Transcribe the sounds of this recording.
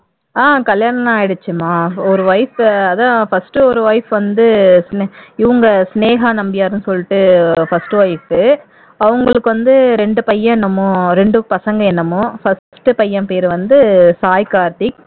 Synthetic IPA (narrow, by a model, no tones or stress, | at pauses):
aːkɐljaːɳɐnaːjɪɽɯt͡ʃːɯmaːɔɾɯʋɐɪfɐðãfɐsʈɯɔɾɯʋɐɪfʋɐnd̪ɯsnɪʋɐŋɡɐsneːɣanɐmbɪjaːɾɯnɯsɔlːɪʈːɯfɐsʈɯʋɐɪfɯ | ɐʋɐŋɡɐɭɯkːɯʋɐnd̪ɯɾɛɳɖɯpɐjːɐ̃ɛnːɐmʊ̃ɾɛɳɖɯpɐsɐŋɡɐɛnːɐmʊ̃fɐssʈɯpɐjːɐmpeːɾʋɐnd̪ɯsaːjkaːɾʈ̪ɪk